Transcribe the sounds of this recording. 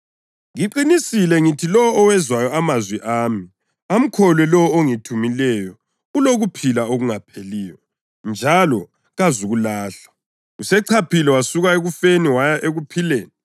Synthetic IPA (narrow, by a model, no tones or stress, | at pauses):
ŋiǃinisilɛŋitʰilɔɔːwɛzwajɔamazwiʔaːmi | am̩kʰɔlwɛlɔoŋitʰumilɛjɔ | uloɣupʰilaoɣuŋapʰeliːwɔ | nd͡ʒʱalɔ | ɣazuɣulaːɬḁ | usɛǀʰapʰilɛwasuɣaeɣufeniwajaʔeɣupʰileːni